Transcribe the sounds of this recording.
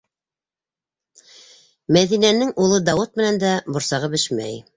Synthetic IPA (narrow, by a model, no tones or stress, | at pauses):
mæðinænɘŋʔulˠɤd̪ɑwɤt̪̚mɘ̆nænd̪æbŏɾsɑʁɤbɘʃmæ̰j